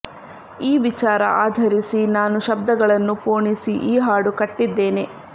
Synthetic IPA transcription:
iːʋit͡ʃaːɾɐ̰ʔaːd̪ʱɐɾisinaːnuʃɐb̚d̪ɐɡɐɭɐnːupoːɳisiʔiːɦaːɽukɐʈːid̪ːe̞ːne

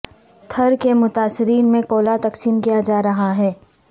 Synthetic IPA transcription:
t̪ʰɐɾkemʊt̪aːsːɪɾiːnmẽkoːlat̪ɐqsiːmkijad͡ʒaːɾɐɦaɦɛː

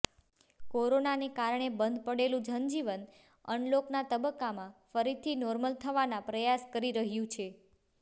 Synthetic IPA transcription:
koɾonanekaɾɳebənd̪ʱpəɽelũd͡ʒənd͡ʒiʋən | ə̰nloknat̪əbəkːamãfəɾit̪ʰinɔɾməlt̪ʰəʋanãpɾəjaskəɾiɾəɦjũt͡ʃʰe

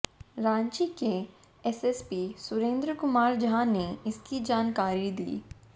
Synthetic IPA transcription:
ɾãːɲt͡ʃike | ɛsɛspiːsʊɾẽːnd̪ɾəkʊmaːɾd͡ʒɦãneɪskid͡ʒaːnkaːɾid̪ḭː

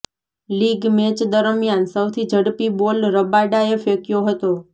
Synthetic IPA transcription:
liɡmet͡ʃd̪əɾmjansəwt̪ʰid͡ʒʱəɽpibolɾəbaɖaefekjoɦət̪o

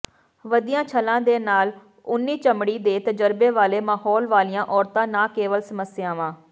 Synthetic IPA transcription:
ʋəd̪ɪjãːt͡ʃʰəlãːd̪eːnaːl | ʊnːiːt͡ʃəmɽiːd̪eːt̪əd͡ʒəɾbeːʋaːleːmaːhɔːlʋaːlɪjãːʔɔːɾt̪ãːnãːkeːʋəlsəməsɪjãːʋãː

